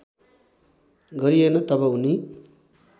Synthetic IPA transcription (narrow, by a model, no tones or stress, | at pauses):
ɡʌɾienʌt̪ʌbʌuni